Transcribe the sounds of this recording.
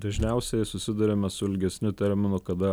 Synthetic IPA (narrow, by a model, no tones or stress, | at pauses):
d̪ɐʒʲnʲɛˑʊsʲɛɪsʊsʲɪd̪ʊɾʲemʲɛsʊɪlʲɡʲɛsʲnʲʊt̪ʲɛɾʲmʲɪnʊkɐd̪ɐ